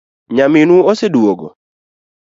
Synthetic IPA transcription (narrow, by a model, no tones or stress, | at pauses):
ɲamɪnuosedwoɡo̰